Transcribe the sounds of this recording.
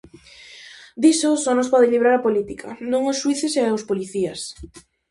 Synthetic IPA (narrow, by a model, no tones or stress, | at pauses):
d̪isosɔnospɔðeʎiβ̞ɾaɾɐpolit̪ikʰa̰nõŋʊsʃwiθɪseospoliθias